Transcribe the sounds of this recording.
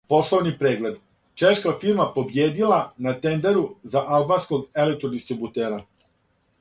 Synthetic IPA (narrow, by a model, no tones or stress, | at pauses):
po̞slˠo̞ʋnipɾe̞ːɡle̞d̪ | t͡ʃe̞ʃkafiɾmapo̞bjeːd̪ilanat̪e̞nd̪e̞ɾuzaʔalˠbansko̞ɡelek̚t̪ɾod̪ist̪ɾibut̪eːɾa